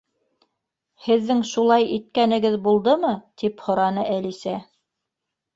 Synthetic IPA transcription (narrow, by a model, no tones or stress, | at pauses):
hɘ̆ðːɘŋʃulˠɑjit̪̚kænɘ̆ɡɘðbulˠd̪ɤmɤt̪iphŏɾɑnɤʔælisæ